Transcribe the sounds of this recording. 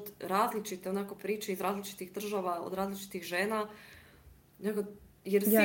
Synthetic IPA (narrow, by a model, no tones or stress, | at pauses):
d̪ɾaːzlit͡ʃit̪eonako̞pɾiːt͡ʃeizɾaːzlit͡ʃi̥t̪iɣd̪r̩ʒaʋao̰d̪ɾaːzlit͡ʃi̥t̪iɣʒeːna | neɡo | jeɾsi